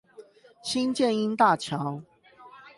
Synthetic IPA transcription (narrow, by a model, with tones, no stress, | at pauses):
ɕi˦nt͡ɕjɛ˥˨ni˦nt̪a˥˨t͡ɕʰjɑ˨˦ʊ